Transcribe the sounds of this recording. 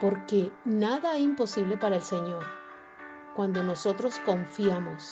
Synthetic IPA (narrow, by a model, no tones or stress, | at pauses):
po̞ɾke̞naðaeimpo̞siβle̞paɾaelse̞ɲo̞ɾ | kwand̪o̞no̞so̞t̪ɾo̞sko̞ɱfjamo̞s